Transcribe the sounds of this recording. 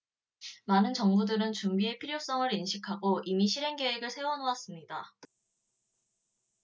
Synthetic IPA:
manɯnt͡ɕʌŋbudɯɾɯnt͡ɕumbie̞pʰiɾjok̚s͈ʌŋɯɾinɕʰikʰaɡoʔimiɕʰiɾe̞ŋɡe̞weɡɯɭsʰe̞wʌnowas͈ɯmɲida

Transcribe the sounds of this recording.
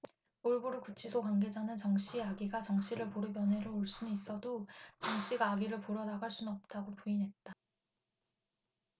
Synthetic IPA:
oɭboɾukut͡ɕʰisʰokwanɡe̞d͡ʑanɯnt͡ɕʌŋɕ͈ʰiaɡiɡat͡ɕʌŋɕ͈ʰiɾɯɭpoɾɯpjʌnɦe̞ɾooɭs͈unɯis͈ʌdot͡ɕʌŋɕ͈ʰiɡaːɡiɾɯɭpoɾʌnaɡaɭs͈unʌp̚t͈aɡopuinɦe̞t̚t͈a

